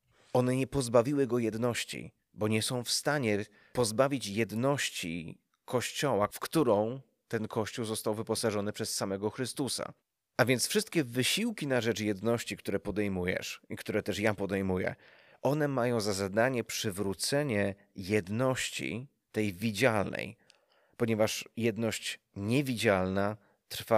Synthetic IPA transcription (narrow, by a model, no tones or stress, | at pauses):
ʔɔnɛɲɛpɔzbavʲiwɘɡɔjɛd̪nɔɕt͡ɕḭ | bɔɲɛsɔ̃w̃fst̪aɲɛ | pɔzbavʲit͡ɕjɛd̪nɔɕt͡ɕḭ | kʰɔɕt͡ɕɔwafkt̪uɾɔ̃w̃ | t̪ɛnkɔɕt͡ɕuwzɔst̪awvɘpɔsaʐɔnɘpʂɛsːamɛɡɔxɾɘst̪usa̰ | ʔavʲjɛnt̪sfʂɘst̪̚kʲɛvɘɕiwkʲinaʐɛt͡ʂjɛd̪nɔɕt͡ɕikt̪uɾɛpɔd̪ɛjmujɛ̰ʂikt̪uɾɛt̪ɛʂjapɔd̪ɛjmujɛ̰ | ʔɔnɛmajɔ̃w̃zazad̪aɲɛpʂɘvɾut̪sɛɲɛ | jɛd̪nɔɕt͡ɕḭ | t̪ɛjvʲid͡ʑalnɛ̰j | pɔɲɛvaʂjɛd̪nɔɕt͡ɕ | ɲɛvʲid͡ʑalna | t̪ɾfa